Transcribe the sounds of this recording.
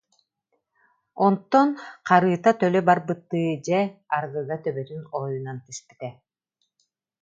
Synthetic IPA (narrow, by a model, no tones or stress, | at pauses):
ɔnt̪ːɔnqʰɑɾɯːt̪at̪ølʲøbaɾbɯt̪ːɯːd͡ʑeaɾɡɯːɡ̪at̪œβøt̪ynojunant̪ispi̥t̪ɛ